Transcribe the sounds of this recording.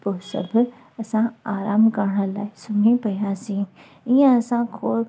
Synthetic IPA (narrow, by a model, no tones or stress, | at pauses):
poːsɐ̰bʱ | ɐsãaːɾaːmkɐɾɽ̃əlaːɪsʊmĩpɐjãsĩː | ijãɐsãkʰoː